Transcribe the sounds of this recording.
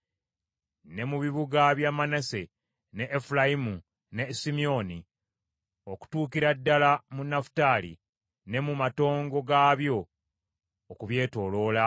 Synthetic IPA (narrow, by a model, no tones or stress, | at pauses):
ne̞muβiβuɡaβjaːmanase | ne̞ʔːfulaimu | ne̞simio̞ni | oku̥tuːkiɾadːalamunafu̥taːlḭ | ne̞mumato̞ːŋɡo̞ɡaːβjo̞ː | kuβje̞ːto̞ːlo̞ːla